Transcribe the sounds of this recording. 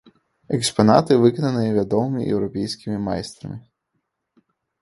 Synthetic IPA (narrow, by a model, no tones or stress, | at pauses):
ɛkspɐnɑ̰t̪ɪʋɪkɔnɐnɨjɐʋʲad̪ɔmɪmʲḭjʔɛ̰wɾɔpʲɛjsʲkʲɪmʲɪma̰jst̪ɾɐ̰mʲɪ